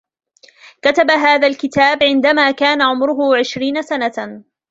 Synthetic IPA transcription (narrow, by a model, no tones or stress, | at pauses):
kat̪abaɦaːðalkɪt̪aːbʕɪnd̪amaːkaːnaʕʊmɾʊɦʊʕɪʃɾiːnasana